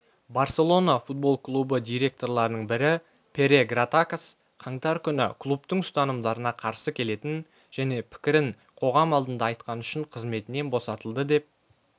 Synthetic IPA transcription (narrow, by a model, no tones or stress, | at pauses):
baɾse̞lˠo̞nafut̪̚bo̞lˠklˠubəd̪ʲijɾe̞k̚t̪o̞ɾlˠɑɾənəɴbɪɾɪ | pʰe̞ɾe̞ɡrat̪akas | qʰɑɴt̪ɑɾkʲʰʏnɪ̰kʰlˠupt̪əɴʏst̪ɑnəmd̪ɑɾənɑqʰɑɾsəkʲʰe̞le̞t̪ɪn | ʒ̥æne̞pʰɪ̥kʲɪɾɪɴ | qʰo̞ʁɑmɑlˠd̪ənd̪ɑːjt̪̚qɑnʏʃɪɴqʰəzme̞t̪ɪne̞nbo̞sɑt̪əlˠd̪əd̪e̞p̚